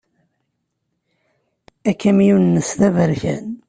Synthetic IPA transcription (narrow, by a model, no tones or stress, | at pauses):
ækːæmjunnːəsθævəɾçæ̰n